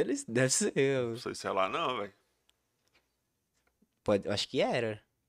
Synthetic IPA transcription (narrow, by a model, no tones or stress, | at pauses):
elɪzd̪ɛvɪselsoisʊɛla̰nɐ̃w̃vɛj | pɔd͡ʒɪaʃʊ̥kɪɛɾɐ